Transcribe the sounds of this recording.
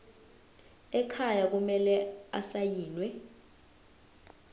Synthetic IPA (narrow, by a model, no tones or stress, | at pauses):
ɛkʰajak̬umɛlɛasajiːnwɛ